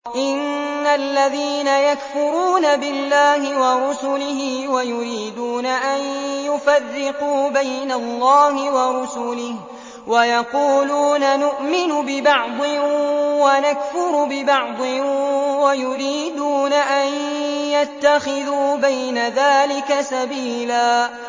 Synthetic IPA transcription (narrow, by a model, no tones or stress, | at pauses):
ʔɪnːalːaðiːnajakfʊɾuːnabɪlːaːhɪwɑɾˤʊsʊlɪhiwajʊɾiːd̪uːnaʔanjʊfarːɪquːbajnalˤːɑːhɪwɑɾˤʊsuːlɪh | wajɑquːluːnanʊʔmɪnʊbɪbɑʕd̪ˤɪwanakfʊɾbɪbɑʕd̪ˤɪwajʊɾiːd̪uːnaʔanjat̪ːaxɪðuːbajnaðaːlɪkasabiːlaː